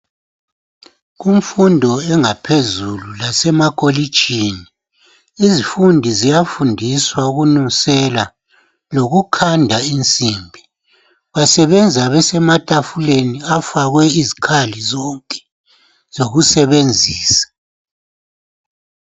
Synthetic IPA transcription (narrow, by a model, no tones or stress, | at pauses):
ɣuɱfundʱɔɛŋapʰezululasɛmakʼoli̥ʒ̥ʱini | izifundʱizijafundʱiswauɣunusɛla | loɣukʰandʱaint͡sʼiːmbʱi | βasɛβɛnd͡zʱaβɛsɛmatʼafuleniafaɣwɛizikʰalizɔŋkʼɛ̥ | z̥oɣusɛβend͡zʱiːsḁ